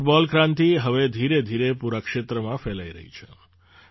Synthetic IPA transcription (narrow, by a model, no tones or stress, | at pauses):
ʈbɔlkɾãnt̪iɦəʋed̪ʱiɾed̪ʱiɾepuɾəkʃet̪ɾəmãfelaiɾə̰ɦḭt͡ʃʰe̥